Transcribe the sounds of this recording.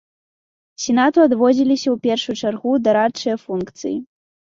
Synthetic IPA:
sʲɛn̪at̪uad̪vɔd͡zʲilʲisʲɐwpʲɛrʂujut͡ʂarɣud̪ɐɾat͡ʂɨjɐfunkt̪sɨ̰ji

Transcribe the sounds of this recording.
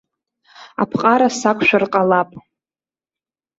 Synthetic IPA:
a̰pʰqʼaɾasakʷʰʼʃʷᶣarqʼalapʼ

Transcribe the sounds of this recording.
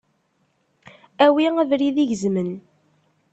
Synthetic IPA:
æwiævɾiðiʝəzmən

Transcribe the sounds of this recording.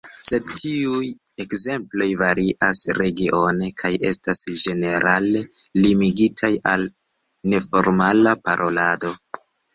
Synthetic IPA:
se̞dtʰiuj | e̞kze̞mplo̞jvaɾiʔasɾe̞ɡiʔo̞ne̞kʰaje̞̰stasʒe̞ne̞ɾʔale̞limiɡitʰajal | ne̞fo̞ɾmalapaɾʔo̞lado̞

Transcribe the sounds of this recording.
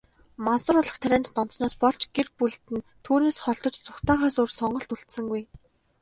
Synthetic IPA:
masʊ̆ɾʊɮə̆χt̪ʰæɾʲæːnt̪ːɔnt̪snɔːspɔɬt͡ɕɡerpuɮt̪ɘ̆nt̪ʰuːneːsχɔɮt̪ɞ̆t͡ɕt͡sʊkt̪aːʁaːsʊːrsɔɴɢɞ̆ɬt̪uɬt̪sɘ̆ŋɡuj

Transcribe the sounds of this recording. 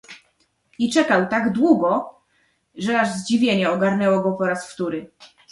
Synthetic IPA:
it͡ʂɛkawt̪aɡd̪wuɡɔ | ʐɛaʐzd͡ʑivʲjeɲɛɔɡaɾnɛwɔɡɔpɔɾasft̪uɾɘ

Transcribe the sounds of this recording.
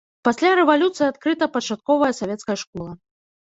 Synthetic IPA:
pasʲlʲaɾɛvalʲut̪sɨjat̪kɾɨt̪ɐpɐt͡ʂat̪̚kɔvɐjɐsavʲɛt̪skɐjɐʂkɔlˠɐ

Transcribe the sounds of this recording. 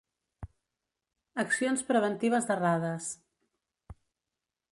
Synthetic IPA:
əksionspɾəβ̞ənt̪iβ̞əzðəraðəs

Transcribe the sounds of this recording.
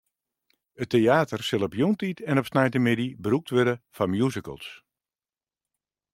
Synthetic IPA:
əteaːtərsɪlˠɔpjuntitʰɛnɔpsnajtəmɪdibəɾuk̚tʋødəfamjuzəkə̰lˠs

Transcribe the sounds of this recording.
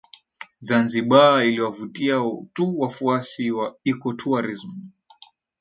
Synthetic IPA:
zanziɓailiwavutiatuwafuasiwaikɔtʰuaɾizmu

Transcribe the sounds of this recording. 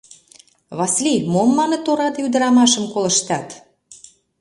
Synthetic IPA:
βɑslʲimomːɑnə̆t̪oɾɑd̪eyd̪əɾɑmɑʃə̆mkolə̆ʃt̪ɑt̪

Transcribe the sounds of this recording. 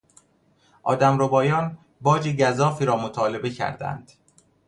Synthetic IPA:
ʔɒ̰ːd̪æmɾobɒːjɒːn | bɒːd͡ʒeɟæzɒːfiːɾɒːmot̪ʰɒːle̞be̞cʰæ̰ɾd̪æ̰nd̪̥

